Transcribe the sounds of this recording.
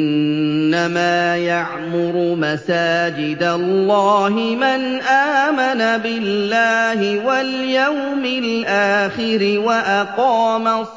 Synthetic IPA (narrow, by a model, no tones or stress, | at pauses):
ʔɪnːamaːjaʕmʊɾʊmasaːd͡ʒɪd̪alːɑːɦɪmanʔaːmanabɪlːaːhɪwaljawmɪlʔaːxɪɾɪwaʔaqɑːmas